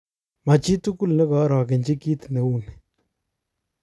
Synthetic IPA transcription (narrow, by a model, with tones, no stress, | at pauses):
ma˨t͡ʃi˦tu˦ku˦lnɪ˦kɔ˨˦ɾɔ˨ke˨nd͡ʒi˦ki˦tne˨u˦n